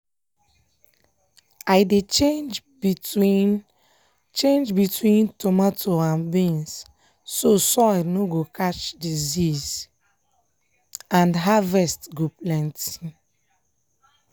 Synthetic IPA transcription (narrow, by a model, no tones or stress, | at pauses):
aɪdet͡ʃẽd͡ʒ | biwin | t͡ʃẽnd͡ʒbitʰwĩntomatʰoãnbĩns | sosɔnoɡokat͡ʃdiziz | ãndɦavɛstɡoplɛ̃nt